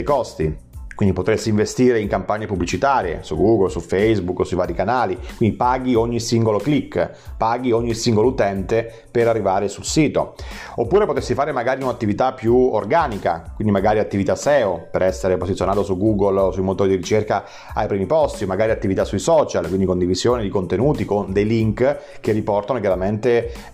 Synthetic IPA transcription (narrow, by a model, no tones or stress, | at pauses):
jkɔst̪i | kwind̪ipot̪ɾesːiːɱvest̪iːɾeiŋkampaɲːepubːlit͡ʃit̪aːɾjḛsuɡuɡolsufejzbukːsujvaːɾikanaːlikwind̪ipaːɡioɲːisiŋɡoloklikː | paːɡioɲːisiŋɡolout̪ɛnt̪e | peɾarːivaːɾesulsiːt̪o̰opːuːɾepot̪esːifaːɾemaɡaːɾiunat̪ːivit̪apːjuo̰rɡaːnika̰kwind̪imaɡaːɾiat̪ːivit̪asɛːopeɾɛsːeɾepozit̪sʲːjonaːt̪osuɡuːɡolosujmot̪oːɾid̪iɾit͡ʃerka | a̰jpɾiːmipɔst̪iomːaɡaːɾiat̪ːivit̪asːuisɔt͡ʃalkwind̪ikond̪ivizjoːned̪ikont̪enuːt̪ikond̪ejliŋk | kerːipɔrt̪anokjaɾament̪e